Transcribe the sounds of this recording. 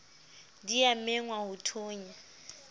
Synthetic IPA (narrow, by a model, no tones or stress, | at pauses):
diamɛŋwahʊtʰoːɲi